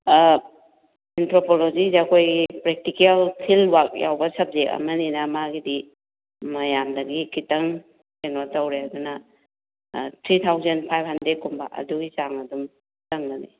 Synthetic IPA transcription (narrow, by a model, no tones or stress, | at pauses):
entɾopolozizakʰojɡipɾek̚tikialkʰilwak̚ja̰wbɐsɐp̚zeɐ̰mɐninɐmaɡidi | mɐjamdɐɡikitɐŋ | senotawɾeaduna | tʰɾit̪ʰawzenpʰajp̚handɾet̚kumba̰ʔɐ̰duɡisaŋɐdum | tɐŋnani